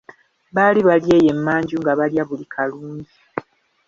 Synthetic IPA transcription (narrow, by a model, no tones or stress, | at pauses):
βaːliβalje̞ːje̞mːaːɲɟuŋɡaβaljaβulikʰaluːɲɟi